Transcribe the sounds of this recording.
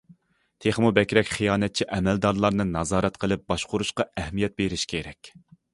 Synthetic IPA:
t̪ʰeχmubɛkʲɾɛkʲχijɑːnɛt̪̚t͡ʃʰiʔɛmɛld̪ɑɾlˠɑɾnɨnɑzɑːɾɛt̪qʰəlˠɨp̚bɑʃqʊɾuʃqɑɛhmijɛt̪̚beɾɪʃkʲʰeɾɛkʲ

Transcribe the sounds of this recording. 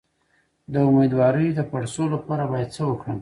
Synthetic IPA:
d̪əʊmed̪wɑɾəjd̪əpaɽsolapɑɾabɑjad̪̚səwəkɽəm

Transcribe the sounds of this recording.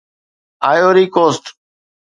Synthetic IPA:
aːjoːɾiːkoːsʈ

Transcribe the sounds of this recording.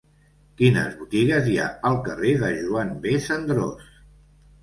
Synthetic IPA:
kinə̰zβut̪iɣəzia̰əlˠkəreðəʒuambesənd̪ɾo̰s

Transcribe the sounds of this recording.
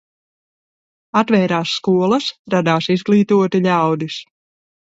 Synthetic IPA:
at̪vɛːɾaːsːkuɔlˠɐsɾad̪aːsizɡlˠiːt̪uɔt̪iʎʲawd̪is

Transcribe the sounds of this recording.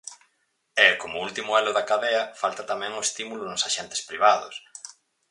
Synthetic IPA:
ɛkomʊult̪imʊɛlʊðakaðeɐfalt̪ɐt̪amɛ̃ŋʊest̪imulʊnʊsaʃɛnt̪ɪ̥spɾiβaðʊs

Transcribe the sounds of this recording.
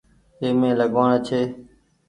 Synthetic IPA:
eːmẽːləɠʋãːɳeːt͡ʃʰeː

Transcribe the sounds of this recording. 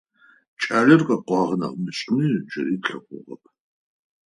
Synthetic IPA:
t͡ʃʼaːɮɪrqʼɐqʷɑːʁənɐ̰qmɨɕʼɪmid͡ʒɐɾiːtɬɐqʷʊ̰ʁɐ̰pʰ

